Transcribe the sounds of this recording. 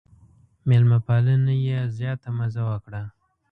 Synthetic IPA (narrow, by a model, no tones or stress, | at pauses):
mɪlmapalənajezjɑt̪amazawəkɽa